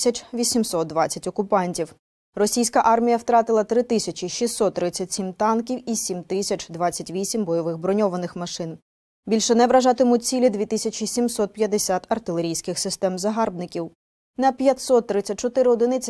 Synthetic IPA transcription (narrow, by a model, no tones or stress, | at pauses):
sʲɐt͡ʃʋʲisʲimsɔt̪̚d̪ʋɑt͡sʲːɐtʲɔkʊpɑnʲtʲiw | rɔsʲijsʲkɐʔɑrmʲijɐwt̪ɾɑt̪ɪlˠɐt̪ɾɪt̪ɪsʲɐt͡ʃiʃisːɔt̪ːɾɪt͡sʲːɐtʲsʲimt̪ɑnkʲiwisʲimt̪ɪsʲɐt͡ʃd̪ʋɑt͡sʲːɐtʲʋʲisʲimbɔjɔʋɪxbɾɔnʲɔʋɐnɪxmɐʃɪn | bʲilʲʃɛnɛʋɾɐʒɑt̪ɪmʊt͡sʲsʲilʲid̪ʲʋʲit̪ɪsʲɐt͡ʃʲisʲimsɔt̪̚pʲjɐd̪esʲat̪ɐrt̪ɪlˠe̞ɾʲijsʲkɪxsɪst̪ɛmzɐɦɑrbnɪkʲiw | nɐpʲjɐt̪ʲsɔt̪ːɾɪt͡sʲːɐt̚ʲt͡ʃɔt̪ɪɾɪɔd̪ɪnɪt͡sʲ